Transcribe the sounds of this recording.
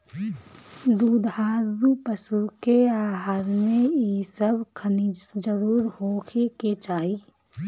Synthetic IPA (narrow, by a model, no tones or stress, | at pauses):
d̪uːd̪haːɾupəsukeaːɦaːɾmẽisəbkʰənid͡ʒəɾuːɾhoːkʰeket͡ʃaːiː